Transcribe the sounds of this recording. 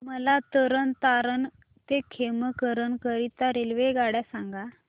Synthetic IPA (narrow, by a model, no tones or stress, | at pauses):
məlat̪əɾənt̪aɾən | t̪ekʰeməkəɾənkəɾit̪aɾelʋeɡaɽjasãŋɡa